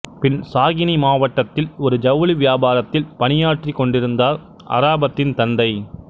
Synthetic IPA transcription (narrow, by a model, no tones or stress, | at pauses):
pɪnsaːɣɪnimaːʋɐʈːɐt̪ːɪlɔɾɯd͡ʒɐʋɐliʋɪjaːbaːɾɐt̪ːɪlpɐnɪjaːʈrikːɔɳɖɪɾɯnd̪aːɾ | ɐ̰ɾaːbɐt̪ːɪnt̪ɐnd̪ɐɪ